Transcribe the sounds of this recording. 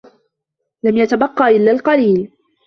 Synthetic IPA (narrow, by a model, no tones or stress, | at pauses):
lamjat̪abɑqːɑːʔɪlːaːlqɑliːl